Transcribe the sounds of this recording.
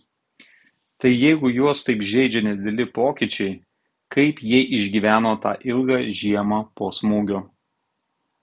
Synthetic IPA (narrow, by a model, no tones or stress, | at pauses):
t̪ɐɪjɛɪɡʊjuɔst̪ɐɪpʒʲɛɪd͡ʒʲɛnʲɛd̪ʲɛlʲɪpoːkʲit͡ʃʲɛɪ | kɐɪpjiʔɪʒʲɡʲiːʋʲæːnoːt̪ɑ̰ːʔɪlˠɡɑːʒʲiɛmɑːpoːsmuːɡʲoː